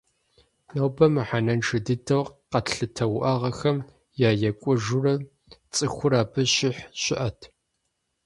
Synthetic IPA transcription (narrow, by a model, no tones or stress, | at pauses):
nɐwbɐmɨħanɐnʈ͡ʂʰɨdɨtʰɐwqɐtɬɨtʰɐwʔɐʁɐxɐm | jaːjɛkʷʼʊʒurɐ | t͡sʼɨxʷʊɾaːpʰɨɕɪħɕɪʔɐtʰ